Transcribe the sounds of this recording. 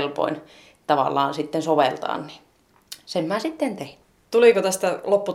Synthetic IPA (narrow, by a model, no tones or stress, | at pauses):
lpo̰in | t̪ɑʋɑ̰lːˑɑːnsit̪ːensoʋelt̪ɑ̰ːnni̥ | semmæsit̪ːent̪ein | t̪uliˑkot̪æst̪ælopːu